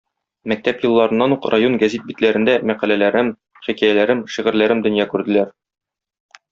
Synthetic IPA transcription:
mæk̚t̪æpjɤ̆lˠːɑɾɤ̆nːɑnuqrajo̞nɡæzit̪̚bit̪læɾɘ̆nd̪æmæqælælæɾɘm | χikæjælæɾɘmʃiʁɘ̆ɾlæɾɘmd̪ɵ̆njɑkʉɾd̪ɘ̆læɾ

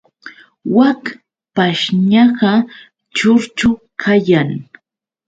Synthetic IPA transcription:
wak | paʃɲɑɢɑ | t͡ʃʊɾt͡ʃʊkʰajaŋ

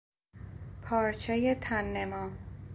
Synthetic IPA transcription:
pʰɒːɾt͡ʃʰejet̪ʰænːemɒː

